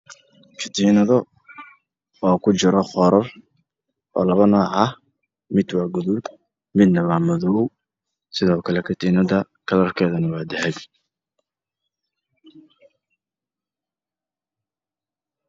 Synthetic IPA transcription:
kʰɪt̪ʰiːnɐðɔ | ɔːkʰʊt͡ʃɪɾɔχɔːɾɐr | ʔɔːlɐβɐnɐʕɑh | mɪd̪wɑːɡʊðʊd | mɪd̪nɐmaːmɐðɔw | sɪðɔːkʰɐlɛkʰɪt̪ʰiːnɐðɐ | kʰɐlɐrkʰɛːðɐnɐwɑːd̪ɛħɛj

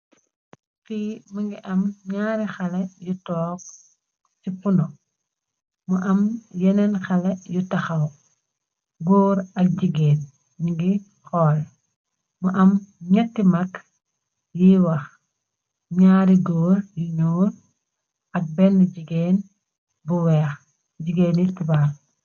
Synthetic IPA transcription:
fimɐŋɡiʔɐmɲaːɾixɐlɛjutɔːk̚ | sifunɔ | muʔɐmjɛnɛnxɐlɛjutɐxɐw | ɡoːɾɐk̚ɟiɡeːn | ɲiŋɡi | xɔːl | muʔɐmɲɐtːimɐk | jiwɐx | ɲaːɾiɡoːɾjuɲuːɾ | ɐk̚bɛnːɟiɡeːn | buwɛːx | ɟiɡeːnitibaːl

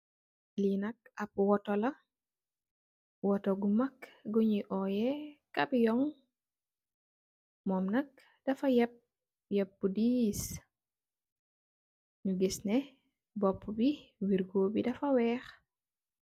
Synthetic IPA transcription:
linɐk̚ɐpwɔtɔlɐ | wɔtɔɡumɐkɡɔɲiʔɔjɛkabijɔŋ | mɔmnɐk̚ | d̥ɐfɐjɛp̚ | jɛp̚ːudiːs | ɲuɡisnɛ | bɔpːubiwiɾɡoːbidɐfɐwɛːx

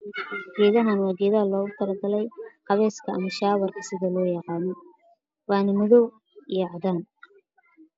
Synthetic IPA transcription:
ɡɛːðɐɦanwɑːɡɛːðɐɦɐlɔːɣʊt̪ʰɐlɐɡɐlɛjqɑβɛːskʰɐʔɐmɐʃaːwɐrkʰɐsɪðɐlɔːjɑqɑːnɔ | wɑːnɐmʊðɔw | ijɐʕɑðaːn

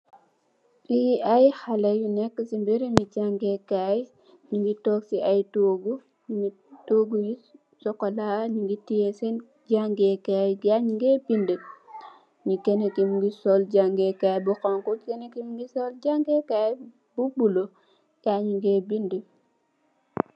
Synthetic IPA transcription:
ijiajixalejinɛkːəsimbeɾimid͡ʒaŋɡekaj | ɲiŋɡitɔːksiʔajtoːɡu | ii | toɡuji | sɔkɔlaɲiŋɡitijesen | d͡ʒaŋɡekajɡaɲiŋɡebinde | ɲikenekimɡisɔld͡ʒaŋɡekajbukɔŋkukenekimɡisɔld͡ʒaŋɡekaj | b̥ubulo | ɡaɲiŋɡebinde

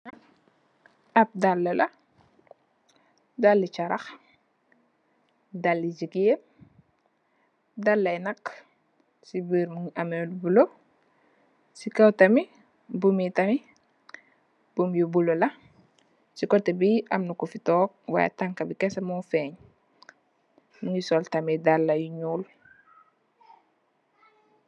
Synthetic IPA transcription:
ʔɐp̚dalːɐlɐ | dalːit͡ʃɐɾɐx | dalːid͡ʒikem | dɐlːɐjnɐk | sibiːɾmuŋɐmɛlbulo | sikɐwtɐmi | bumitɐmi | b̥umjubulolɐ | sikɔtːɛbiɐmnukufitɔːk̚wa̰jḛtaŋkɐbikɛsɐmufɛɲ | muɲisɔltɐmidalːɐjuɲuːl

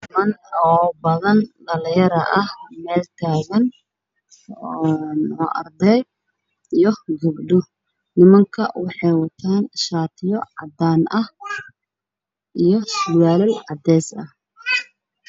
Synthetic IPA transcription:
nɪmɐnɔːbɐðɐnd̪ɐljɐɾɐʔɐhmɛːlt̪ʰaːɣɐn | nɔːʔɐ̰rd̪ɛj | ijɔɡʊbɖʊ | nɪmɐŋkʰɐwɑħɑjwɑt̪ʰaːnʃaːt̪ʰɪjɔʕɑd̪aːnʔɐh | ʔijɞsʊwaːlɪlʕɑd̪ɛːsɐh

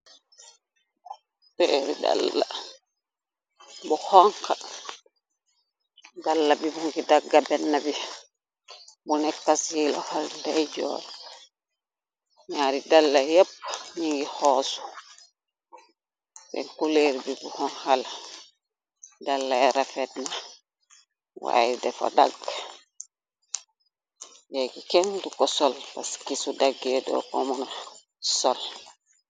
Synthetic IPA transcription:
teɾḭda̰lːa̰ | bɔhɔŋka | dalːabibuŋkidaɡːabɛnːabi | bunɛkːasilɔ̰faldad͡ʒɔ̰ːɾɔ | tɲaːɾidalːajep̚ːɲiŋɡihɔːsu̥ | bɛ̰nkuleɾbibuhɔnhal | dalːajɾafɛtna | wa̰jidɛfa̰da̰ɡ | jɛɡikɛndukɔsɔlpaskisudaɡːɛdɔ̰kɔ̰mana | sɔl

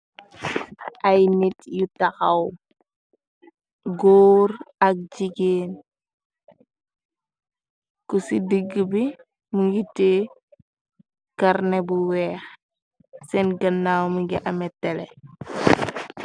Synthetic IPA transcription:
ʔajnitjutaxaw | ɡoːɾɐk̚ɟiɡeːn | kusidəɡːəbi | muɡite | kaɾnebuwɛːx | sɛnɡɐnːaːwmuɡiʔɐmɛtːɛle

